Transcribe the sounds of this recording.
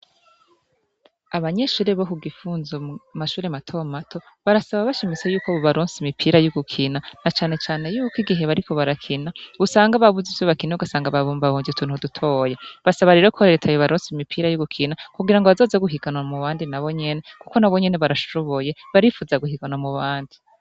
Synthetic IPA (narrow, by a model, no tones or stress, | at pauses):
aβaɲe̞ʃuːɾeβohuɡifuːnzomaʃuːɾematʰomatʰo̞ | βaɾasaβaβaʃimit͡se̞juːkaβoβaɾoːnsimipʰiːɾajuɡukʰinanat͡ʃaːne̞t͡ʃaːne̞juːkiɡiɦe̞βaɾikʰo̞βaɾakʰinausaːŋɡaβaβuzivjoβakiniuɡasaːŋɡaβaββaβoːɲɟiutʰuːnhudutʰo̞je̞βasaβaɾe̞ːɾokʰoɾetʰajoβaɾoːnsimipʰiːɾajuɡukʰinakuɡiɾaŋɡo̞βazo̞ːzeɡuɦiɡanwamuβaːndinaβo̞ɲe̞ne̞kuko̞naβo̞ɲe̞ne̞βaɾaʃoβo̞je̞βaɾifuːzaɡuhiɡanamuβaːndi